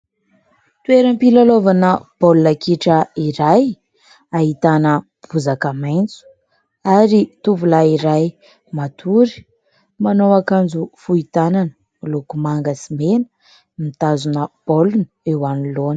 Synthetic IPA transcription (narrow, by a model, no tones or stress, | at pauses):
t̪ueɾəmpilalovanəb̥olunakiʈ͡ʂəiɾaj | aɦit̪anə | b̥uzakəmajnt͡su̥ | aɾit̪uvulaiɾaj | mat̪ʰuɾi̥ | manowakand͡zufuit̪ananə̥ | lukumaŋɡəsimenə̥ | mit̪azunəb̥olunu̥ewanilon